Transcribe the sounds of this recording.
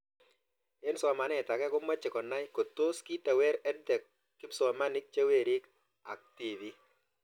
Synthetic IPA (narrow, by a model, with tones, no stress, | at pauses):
e˦nsɔ˨ma˨nɛ˦˨ta˨kɛ˦ko˦ma˦t͡ʃɪ˨kɔ˨na˦jko˨to˦ski˦ta˨wɛ˦ɾɛ˦d̚dɛ˨kː | ɪ˦bsɔ˨ma˦nɪ˦k̚t͡ʃe˦we˦˨ɾi˦k | a̰˨k̚ti˨ði˦